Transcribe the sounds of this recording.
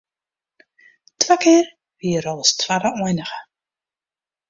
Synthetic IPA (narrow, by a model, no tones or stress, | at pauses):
twakɪːr | viəɾɔlˠəstʰwaɾəɔjnəɣə